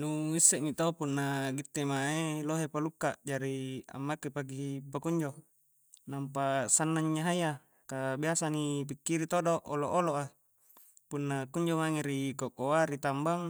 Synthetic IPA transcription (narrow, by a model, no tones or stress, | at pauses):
nuisːɛʔmit̪oopunːaɡit̪ːemaeloɦepalukːaʔd͡ʒaɾia̰mːakːepaɡiɦipakuɲd͡ʒo | nampasanːaɲːaɦaja | kabiasanip̬ikːiɾit̪odoʔoloʔoloʔa | punːakuɲd͡ʒomaŋeɾikokoaɾit̪ambaŋ